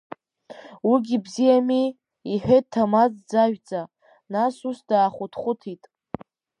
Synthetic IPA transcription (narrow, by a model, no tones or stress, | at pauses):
wiɡʲibzijami | iħᶣejt̚tʰamad͡zd͡zaʒᶣd͡zʼa | nasusdaːχʷʊtʰχʷʊtʰitʼ